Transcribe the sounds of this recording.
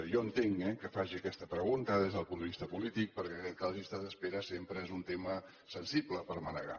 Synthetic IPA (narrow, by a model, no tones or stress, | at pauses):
jɔənt̪eŋɛkəfaʒiəkɛst̪əpɾəɣunt̪əðezðəlˠpund̪əβist̪əpulit̪ik̚pəɾkɛɛt̪kalˠʒiəst̪at̪əspeɾəsempɾəezunt̪emə | sənsibləpəɾmənəɣa̰